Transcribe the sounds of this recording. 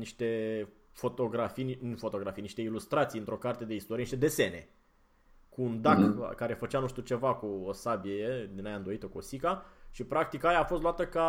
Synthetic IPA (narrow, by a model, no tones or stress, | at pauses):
niʃt̪e̞fo̞t̪o̞ɡɾafijnfo̞t̪o̞ɡɾafijniʃt̪e̞ilust̪ɾat̪sijɨnt̪ɾo̞kart̪e̞d̪e̞ist̪oɾieniʃt̪ed̪e̞sene̞̰ | kuːnd̪akkːaɾe̞fət͡ʃanuʃt̪iut͡ʃe̞vakuosabied̪inajaɨnd̪o̞it̪əkuosikaʃipɾak̚t̪ikajaːfost̪luat̪əka